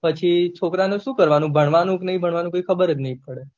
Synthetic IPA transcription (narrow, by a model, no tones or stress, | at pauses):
pət͡ʃʰit͡ʃʰokɾaneʃũkəɾʋanũbʱəɳʋanũknəɦĩbʱəɳʋanũkoikʰəbəɾenəɦĩpəɽe